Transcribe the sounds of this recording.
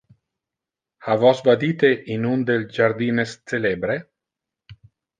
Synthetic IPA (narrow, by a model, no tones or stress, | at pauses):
havɔsvad̪iːt̪eʔinund̪eld͡ʒaɾd̪iːnest̪elebɾe